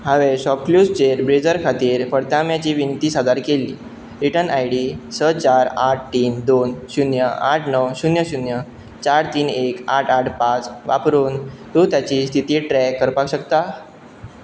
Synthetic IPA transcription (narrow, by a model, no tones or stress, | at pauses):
ɦaʋeɕɔpkljust͡ɕeɾbɾed͡zəɾkʰat̪iːɾfəɽt̪amjat͡ɕiːʋinit̪iːsad̪aɾkeliː | ɾiʈənajɽiːsət͡ɕaɾaʈ̚ʰʈiːnd̪onɕunjəaʈʰnəwɕunjəɕunjə | t͡ɕaɾt̪iːnekaʈʰaʈʰpat͡sʋa̰pɾuːnt̪ũt̪jat͡ɕiːst̪ʰit̪iːʈɾɛkːəɾpakɕəkt̪a